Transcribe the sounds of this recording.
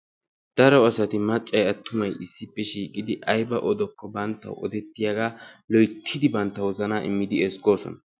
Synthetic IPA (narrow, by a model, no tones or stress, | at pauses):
d̪̥ɐɾɔwɐsɐt̪ɪmɐt͡ʃʼːɐjɐt̪ːʊmɐjʔɪsːɪpːɛʃiːkʼɪd̪ɪʔɐjbɐʔɔd̪ɔkːɔbɐnt̪ːɐ̰wɔ̰d̪ɛt̪ːɪjaɡaːlɔjt̪ʰːɪd̪ɪbɐnt̪ːɐwɔzɐnaːʔɪmːɪd̪ɪɛsɡo̞ːsɔ̰nɐ